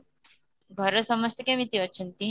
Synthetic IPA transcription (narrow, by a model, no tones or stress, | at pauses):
ɡʱəɾəsəməst̪ikẽmit̪iʋətːɕʰint̪i